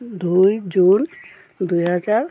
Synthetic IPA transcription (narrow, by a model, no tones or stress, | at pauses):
d̪ujd͡ʑun | d̪ujɦad͡zaɾ